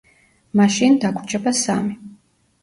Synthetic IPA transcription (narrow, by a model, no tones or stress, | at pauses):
maʃind̪akʷʰʼt͡ʃʼɛbasa̰mi